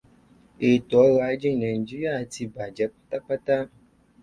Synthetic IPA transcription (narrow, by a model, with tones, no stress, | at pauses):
e˨t̪ɔ˨˦ɣa˨˦d͡ʒi˦˨nɛ̃˨ŋ̩˨d͡ʒi˦ja˨t̪i˧ba˨d͡ʒɛ˨˦k͡pḁ˦t̪a˦k͡pa˦t̪a˦